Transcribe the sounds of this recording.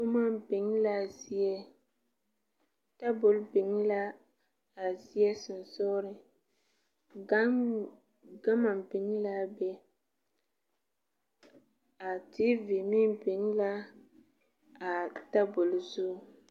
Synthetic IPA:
ʊ˦ma˦bɪ˨ŋ˦la˦zi˦ɛ˦ | ta˦bʊ˨lbɪ˨ŋ˦la˦ | a˨zi˦ɛ˦sʊ˨n˨sɔː˦ɾɪ˨˦ | ɡa˦ma˨mbɪ˨ŋ˦la˦bɛ˦ | a˨tɪ˦vɪ˨mi˦nbɪ˨ŋ˦la˦ | a˨ta˦bʊ˨lzʊ˦˨

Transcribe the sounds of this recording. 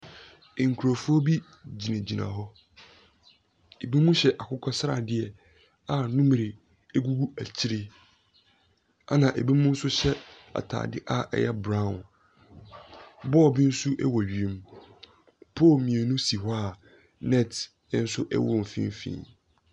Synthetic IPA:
ŋ̩˨kʰu˨ɾo˨fu˦ɔ˦bi˦ | d͡ʑi˨nã˨d͡ʑi˨nã̰˨ɦɔ˦ | e˨bi˦mũ˦ɕɛ˦ʔa˨kʰʊ˦kʰɔ˦sɾa̰˨dɪ˦ɛ˨ | a˨nũ˦m˨ɾɪ˨ | e˦ɡu˦ɡu˦æ˨t͡ɕʰi˦ɾe˦ | a˦nã˨ʔe˨bi˦mũ˦n̩˦sʊ˦ɕɛ˦ | a̰˨tʰa̰ː˨dɪ˦ʔa˦˨ʔɛ̰˦jɛ˦bɾã˦˨n | bɔː˦˨bɪ˦n̩˦su˦ʔɛ˦wɔ˨ɥi˨ẽ˦m | pʰoː˦˨mĩ˨e˨nũ˦si˨ɦɔ˦a˦˨ | nɛ̃˦˨t | ɛ˦n̩˦sʊ˦ʔɛ̰˦wʊ̰˦˨m̩˨fḭ̃˦m˦fḭ̃˦

